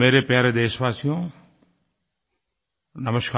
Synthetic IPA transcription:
meːɾepjaːɾed̪eːʃbaːsijõ | nɐməʃka

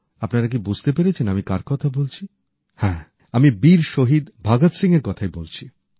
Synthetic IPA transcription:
apnaɾak̬ibud͡ʑʱt̪epeɾet͡ɕʰenamikaɾkɔt̪ʰabolt͡ɕʰi | hɛ̃ | amibiɾʃoɦid̪bʱaɡat̪siŋeɾkɔt̪ʰaebolt͡ɕʰi

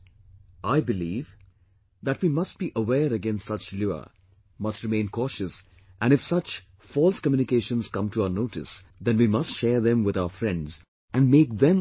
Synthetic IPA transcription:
ʔaɪbɪliːv | ðæʈwiːmʌst̚b̥iʔəwɛːɾəɡɛ̃nstsʌt͡ʃljuə̰ | mʌstɹɨmẽɪ̃nkʰɔʃɨs | ʔæ̃nɨfsʌt͡ʃ | fɔlˠskəmjũnɪkeːʃə̃nz̥kʌ̃mtʰuaʊənoʊʈɪ̰sðɛ̃nwimʌstʃɛːðɛ̃mwɪðaʊəfɹɛ̃ndz | ʔæ̃nmeːk̚ðɛ̃m

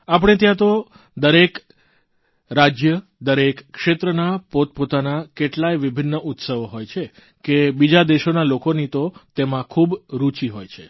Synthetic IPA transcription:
ap̬əɽ̃et̪jãt̪o | d̪əɾek | ɾad͡ʒjəd̪əɾekːʃet̪ɾənapot̪̚pot̪anakeʈlajʋɪbʱɪnːəʔut̪səʋoɦojt͡ʃʰe | kebid͡ʒad̪eʃonalokonit̪ot̪emãkʰubɾut͡ʃiɦojt͡ʃʰe

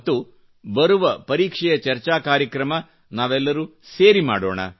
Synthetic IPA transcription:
t̪ːu | bɐɾuʋɐpɐɾiːkʂɛjɐt͡ʃɐɾt͡ʃaːkaːɾjɐkɾɐmɐ | naːʋɛlːɐɾuːseːɾimaːɽo̰ːɳɐ̰

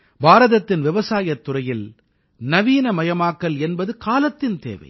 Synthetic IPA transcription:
bʱaːɾɐðɐt̪ːɪnʋɪʋɐsaːjɐt̪ːʊrɐjɪl | nɐʋiːnɐmɐjɐmaːkːɐlɛnbɐðɯkaːlɐt̪ːɪnt̪ḛːʋɐ̰ɪ

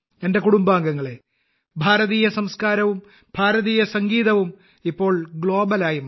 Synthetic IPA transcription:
e̞nde̞kuɽumbaːŋɡɐŋːɐɭe̞ | bʱaːɾɐðiːjɐsɐmskaːɾɐʋum | b̥ʱaːɾɐðiːjɐsɐŋɡiːðɐʋum | ipːo̞ːɭɡɭo̞ːbɐlaːjum

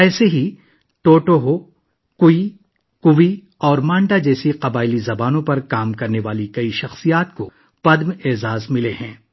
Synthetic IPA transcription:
ɛːseɦi | ʈoːʈoɦo | kʊi | kʊʋi | ɔːɾmãːɳɖad͡ʒɛːsiqɐbaːɪlizɐbaːnõpɐɾkaːmkɐɾneʋaːlikɐiʃɐxsijaːt̪̚ko | pɐd̪meːzaːzmɪleɦɛ̃ː

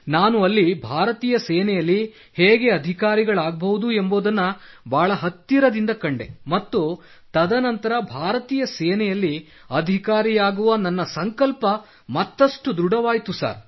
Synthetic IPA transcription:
naːnuɐlːibʱaːɾɐt̪iːjɐsɛːnɛjɐlːi | heːɡe̞ɐd̪ʱikaːɾiɡɐɭaːɡɐbɐʋud̪ue̞mboːd̪ɐnːɐbʱaːɭɐɦɐt̪ːjiɾɐd̪ind̪ɐkɐɳɖe̞̰mɐt̪ːu | t̪ɐd̪ɐnɐnt̪ɐɾɐbʱaːɾɐt̪iːjɐsɛːnɛjɐlːi | ɐd̪ʱikaːɾijaːɡuʋɐnɐnːɐsɐŋkɐlpɐ | mɐt̪ːɐʂʈud̪ɾuɽɐʋaːjt̪usa̰ːɾ

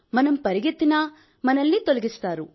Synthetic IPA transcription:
mɐnɐmpɐɾiɡit̪ːinɐ | mɐnɐlːit̪olɐɡist̪aːɾu

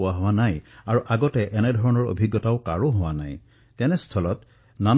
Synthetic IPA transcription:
aɦowanajaɹuʔaɡɔtɛʔɛnɛdʱɔɹɔnɔɹo̰bʱiɡːɔtaʊkaɹoɦowana̰j | tɛnɛst̪ʰɔlɔt | nan

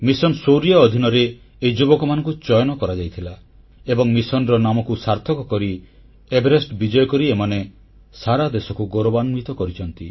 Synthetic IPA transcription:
misɔnsowɾijaɔd̪ʱinɔɾeː | id͡ʒubɔkɔmanɔ̃ŋkut͡ʃɔjɔnɔkɔɾad͡ʒajt̪ʰila | ebɔŋmisɔnɾɔnamɔkusaɾt̪ʰɔkɔkɔɾi | ebeɾesʈbid͡ʒɔjɔkɔɾiemane | saɾad̪esɔkuɡoɾɔbanmit̪ɔkɔɾit͡ʃʰɔnt̪i

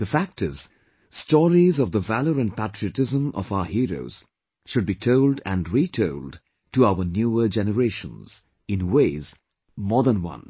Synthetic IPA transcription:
ð̥əfæk̚tɪz̥ | stɔɹizɔvðəvæləɾɨ̃npʰætɹiɨtɪzə̃mɔ̰vaʊəhiɹo̰ʊz̥ | ʃʊd̚bitʰoʊldæ̃nɹitʰoʊld | tuaʊənjuːəd͡ʒɛnəɹeʃə̰̃nz̥ | ɪ̃nweɪz | mɔd̪ənwʌ̰̃n

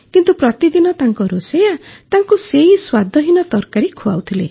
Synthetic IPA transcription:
kint̪upɾɔt̪id̪inɔt̪aŋkɔɾosejat̪aŋkuseiswad̪ʱɔɦinɔt̪ɔɾkaɾikʰua̰wt̪ʰilḛ

